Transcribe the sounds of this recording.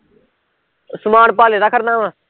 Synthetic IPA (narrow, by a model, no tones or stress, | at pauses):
sʊmaːɽpaːleːɾəkʰəɾnãːʋãː